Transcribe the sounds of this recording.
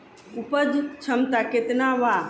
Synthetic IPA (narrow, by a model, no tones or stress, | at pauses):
upəd̪ʱt͡ʃʰɐmt̪aket̪naʋa